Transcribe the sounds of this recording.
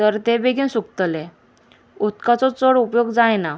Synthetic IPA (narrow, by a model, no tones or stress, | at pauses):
t̪əɾt̪ebeɡĩnsuk̚t̪əle | ut̪kat͡sɔt͡səɽupjoɡd͡zajna